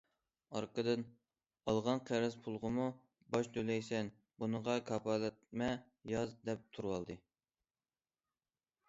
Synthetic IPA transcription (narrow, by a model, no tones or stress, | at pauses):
ɑɾqəd̪ɨn | ɑlˠʁɑnqʰæɾɪzpʰulˠʁəmu | bɑʃt̪ʰølɛjsɛn | bunəʁɑkʰɑpʰɑlˠɛt̪̚mɛ | jɑzd̪ɛp̚t̪ʰuɾwɑlˠd̪ɨ